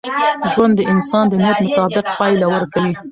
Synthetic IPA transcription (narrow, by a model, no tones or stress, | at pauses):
ʒwand̪ːəʔɪnsɑnd̪ənijat̪mʊt̪ɑbɪq̚pɑjlawəɾkawi